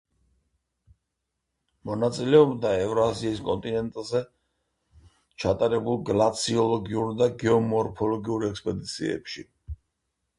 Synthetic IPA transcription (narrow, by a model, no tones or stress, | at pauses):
mɔnat̪sʼilɛɔbd̪aɛvɾɔaziːskʼɔ̰nt̪ʼinɛnt̪ʼzɛ | t͡ʃʰat̪ʼaɾɛbulˠɡlat̪sʰiɔlˠɔɡiuɾd̪aɡɛɔmɔɾpʰɔlɔɡiuɾɛkspʼɛd̪it̪sʰḭɛ̰pʃi